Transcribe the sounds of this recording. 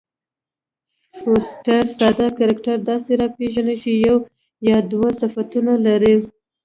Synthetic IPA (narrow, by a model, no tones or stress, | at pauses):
hosʈaɾsɑd̪akaɾakʈaɾd̪ɑseɾɑpeʒanət͡ʃejaw | jɑd̪wasafat̪unalaɾi